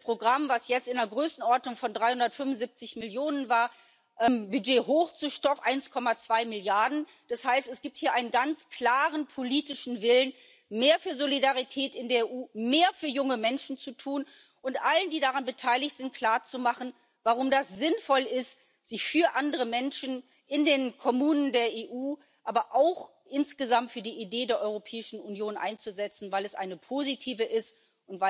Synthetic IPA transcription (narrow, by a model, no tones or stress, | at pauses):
pʁ̥oɡʁamvasjɛt͡stɪnɐɡʁøːsn̩ʔɔɐtnʊŋfɔndʁaɪhʊndɐtfʏmvʊnzɪp̚t͡sɪçmɪljoːnənvaːɐ | ʔɛmbyd͡ʒeːɦoːxt͡suʃtɔkŋ̩ʔaɪnskʰɔmat͡sv̥aɪmɪljaɐdn̩ | d̥ashaɪstɛsɡ̥iːp̚thiːɐʔaɪnənɡant͡skl̥aːʁənpʰoliːtɪʃn̩vɪlən | meːɐfyːɐzolidaʁitʰɛːtɪndeɐeʔuːmeːɐfyːɐjʊŋəmɛnʃn̩t͡sutʰuːn | ʔʊntʔaləndiːdaʁanbətʰaɪlɪçtz̥ɪnt̚kʰl̥aːɐt͡sumaχn̩ | vaʁ̞ʊmdasz̥ɪnfɔlɪst | z̥ɪçfyːɐʔandəʁəmɛnʃn̩ | ʔɪndeːnkʰɔmuːnəndeːɐeːʔuː | ʔaːbɐʔaʊx | ʔɪnsɡ̥əzamtfyːɐdiːʔideːdeːɐʔɔʏʁopʰɛːɪʃn̩unjoːnʔa̰ɪnt͡suzɛt͡sn̩vaɪlɛsʔa̰ɪnəpʰozitʰiːvəʔɪst | ʔʊntv̥aɪ